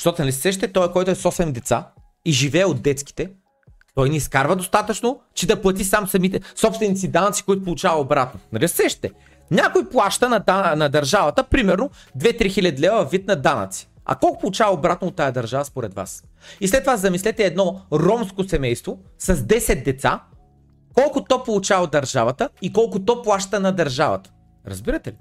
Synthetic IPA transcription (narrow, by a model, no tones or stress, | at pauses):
ʃt̪ɔt̪onɐlʲisɛʃ̬t̪ɛt̪ɔɛkɔjt̪ʊɛsɔsɛmd̪ɛt̪sa̰ | iʒivɛːod̪̚dːɛt̪ski̥t̪ɛ | t̪ɔjnɛiskaɾvəd̪ost̪at̪ət͡ʃnot͡ʃɛd̪ɐplˠɐt̪isamsɐmit̪ɛsɔpst̪vɛnit̪sid̪anɐt̪si̥koit̪op̬olˠʊt͡ʃavɐobɾat̪̚nonɐlʲissɛʃt̪ɛ | nʲakojplˠaʃt̪ənɐd̪anɐd̪ɐɾʒavɐt̪əpɾimɛɾno | d̪vɛt̪ɾixilʲɐd̪ilʲɛvəvit̪̚nɐd̪anə̰t̪si̥ | ɐ̰kɔlˠkʊ̥polˠuʊt͡ʃavɐobɾat̪̚noːt̪ːajɐd̪ɐɾʒavɐspoɾɛd̪va̰s | islɛt̪ːovazɐmislɛt̪ɛːd̪nɔɾɔmskosɛmɛjst̪vosɐzd̪ɛsɛt̪̚d̪ɛt̪sa̰ | kɔlˠkʊt̪ɔpolˠut͡ʃavd̪ɐɾʒavət̪əikɔlˠkʊt̪ɔplˠaʃt̪ənɐd̪ɐɾʒavə̰t̪ə̥ | ɾɐ̰zbiɾɐt̪ɛli